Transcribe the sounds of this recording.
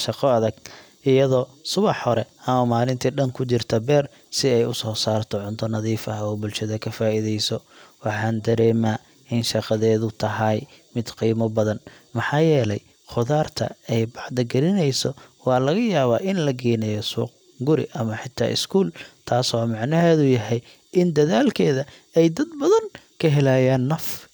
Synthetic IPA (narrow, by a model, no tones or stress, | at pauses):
ʃɑqɔɐðɐɡ | ʔɪjɐðɔːsʊβɑħhɔɾɛɐmɐmaːlɪnt̪ʰiːɖɐŋkʰʊt͡ʃɪrt̪ʰɐbɛːr | sɪɛjʊsɔːsaːrt̪ʰɔʕʊnt̪ʰɔnɐðiːfɐɦɔːbʊlʃɐðɐkʰɐfaːiðɛjsɔ | wɑħɑːnd̪ɐɾɛːma | ʔɪnʃɑqɑðɛːðʊt̪ʰɐɦɐjmɪd̪qiːmɔbɐðɐn | mɐħɑːjɛːlɛj | χʊðaːrt̪ʰɐ̰ɛjbɑħd̪ɐɡɐɾɪnɛjsɔwɑːlɐɣɐjaːβaːʔɪnlɐɡɛːnɛjɔsṵːq | ɡʊɾɪ̰ʔɐmɐħɪt̪ʰa̰ːʔɪ̰skʰuːlt̪ʰaːsɔːmɑʕnɐɦɛːðʊjɐɦɛj | ʔɪnd̪ɐðaːlkʰɛːðɐ | ɛjd̪ɐd̪bɐðɐnkʰɐɦɛlaːjaːnːɐf